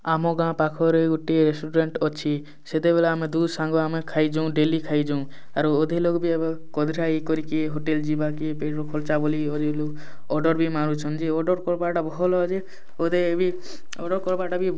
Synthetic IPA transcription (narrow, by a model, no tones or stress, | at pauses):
amoɡãpakʰɔɾeɡuʈːiɾesʈuɾeɳʈɔt͡ʃʰi | set̪ebelaamed̪ud̪ʱsãŋɡɔamekʰajd͡ʒɔ̃ɖelikʰaijd͡ʒaũ | aɾod̪ʱelokbʱiabekɔd̪ʱiɾaikɔɾikieɦoʈeld͡ʒibakipeʈokʰolt͡ʃaboliod̪ʱelok | ɔɾɖɔɾbʱimaɾut͡ʃʰɔnd͡ʒiɔɖɔɾkɔɾbaʈabɔɦɔlɔd͡ʒe | od̪ʱebʱi | ɔɖɔɾkɔɾbaʈabʱi